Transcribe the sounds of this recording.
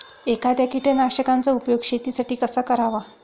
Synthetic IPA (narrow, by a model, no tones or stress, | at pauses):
ekʰad̪jakiʈenakʂəkant͡saupjoɡɕet̪isaʈiːkəsakəɾaʋa